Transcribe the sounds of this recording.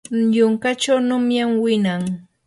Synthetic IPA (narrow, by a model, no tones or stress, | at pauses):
ʎʊŋkat͡ʃawnʊmjamwɪnaŋ